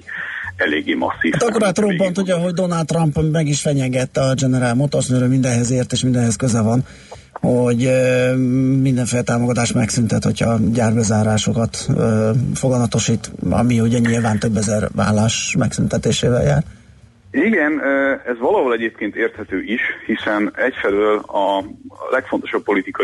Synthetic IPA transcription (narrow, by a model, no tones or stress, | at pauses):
ɛlḛːɡːeːmɒ̰sːiat̪ɒkːoɾat̪rompont̪uɟɒɦo̞ɟd̪o̞nɒlt̪t̪ːrɒmpmɛɡiʃfɛɲɛɡɛt̪ːɛɒd͡ʒɛnɛɾaːlmot̪ːosnøɾømind̪ɛnɦɛzeːrt̪eːʃmind̪ɛnɦɛskøzɛvɒn | hoɟ | mind̪ɛɱfeːlɛt̪aːmo̞ɡɒt̪aːʃt̪mɛ̰ksynt̪ɛt̪ho̞̰cʰhɒ̰ɟaːrbɛzaːɾaːʃo̞kɒt̪øːfo̞ɡɒmɒt̪o̞ʃiːt̪ɒ̰mihuɟɛɲilvaːnt̪ø̞bːɛzɛrʋa̰ːlːaːʃmɛksynt̪ɛt̪eːʃeːvɛ̰lja̰ːr | iɡɛnøɛzʋɒlɒɦolɛɟeːp̚keːnt̪eːrt̪hɛt̪øːʔiʃhisɛnɛcfɛløːlɒlɛkfo̞nt̪oʃɒppːo̞lit̪ikɒ